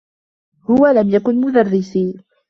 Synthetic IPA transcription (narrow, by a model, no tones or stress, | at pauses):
hʊwalamjakʊnmʊðarˤːɪsiː